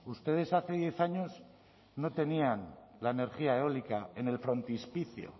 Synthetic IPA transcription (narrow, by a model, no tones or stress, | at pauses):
ust̪e̞ð̞e̞saθe̞ðje̞θaɲo̞z | no̞t̪e̞nianlaene̞ɾxiaeo̞likae̞ne̞lfɾo̞nt̪ispiθjo̰